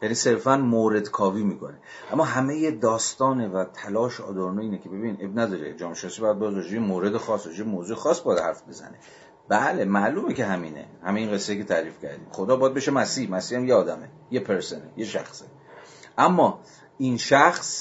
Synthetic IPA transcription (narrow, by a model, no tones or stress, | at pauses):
jæniːse̞ɾfænmoːɾe̞d̪kʰɒːviːmiːkʰo̞̰ne̞ | ʔæmːɒːɦæme̞jed̪ɒːst̪ɒːnevæt̪ʰælɒːʃeɒ̰ːd̪oɾonoiːnekʲʰe̞be̞binʔebnæd̪ɒɾḛd͡ʒɒːmeʃenɒːsibɒjæd̪̚bejd̪ɾɒd͡ʒebemoːɾe̞d̪exɒːsɾɒd͡ʒebemoːzuːexɒːsbɒjæd̪hæɾfbe̞zæ̰ne | b̥æle̞mæʔluːmeceɦæmiːnḛhæmejiːnɡe̞sːeikʰe̞t̪ʰæɾiːfcʰæ̰ɾd̪ḭːmxod̪ɒːbɒjæd̪beʃemæsiːhmæsiːhæmjeɒːd̪æme | je̞pʰeɾsonḛje̞ʃæ̰xse̥ | ʔæmːɒː | inʃæxs